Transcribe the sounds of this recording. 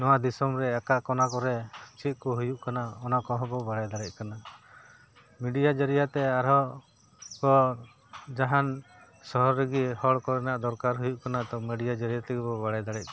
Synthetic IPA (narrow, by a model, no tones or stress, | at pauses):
nɔwad̪isɔmɾɛakaʔkɔnakɔɾɛt͡ʃit̪̚ˀkɔɦujuʔkanaɔnakɔɦɔbɔbaɽajd̪aɽɛc̚ˀkana | miɖijad͡ʒaɾijat̪ɛaɾɦɔ | kɔ | d͡ʒaɦan | sɔɦɔɾɾɛɡihɔɽkɔɾɛnaʔd̪ɔɾkaɾɦujuʔkanat̪ɔmiɖijad͡ʒaɾijat̪ɛɡɛbɔbaɽajd̪aɽɛc̚ˀ